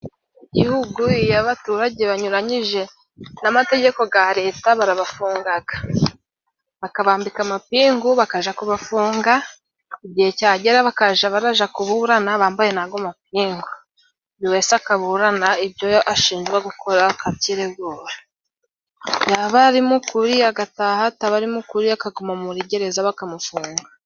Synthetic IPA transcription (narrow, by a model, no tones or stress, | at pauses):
iɟihuɡuijaβatuːɾaɟe̞βaɲuɾaɲiʒe̞ | namate̞ɟe̞ko̞ɡaɾe̞ːtaβaɾaβafuːŋɡaɡḁ | βakaβaːmbikamapiːŋɡuβakaʒakuβafuːŋɡa | iɟihe̞caːɟeɾaβakaʒaβaɾaʒakuβuɾanaβaːmbaje̞naːɡomap̚iːŋɡu | βiwe̞ːsakaβuɾanaibjo̞joʔaʃiːnʒɡweɡukʰo̞ɾakatiɾeɡuːɾa | jaβaɾimukuɾiaɡatahataβaɾimukuɾiakaɡomamuɾiɟe̞ɾe̞zaβakamufuːŋɡa